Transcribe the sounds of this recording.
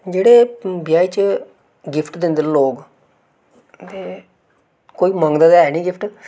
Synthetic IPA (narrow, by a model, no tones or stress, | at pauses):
d͡ʒeːɽeːbɪjaːiːt͡ʃə | ɡɪpʰʈd̪ɪ̃nd̪eloːɡ | t̪eː | koːiːmə̃ŋɡd̪aːd̪aːɛːnĩːɡɪpʰʈ